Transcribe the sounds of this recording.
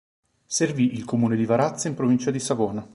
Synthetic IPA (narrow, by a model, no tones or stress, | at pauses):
serviʔilkomuːned̪ivaɾat̪saimpɾovint͡ʃad̪isavoːna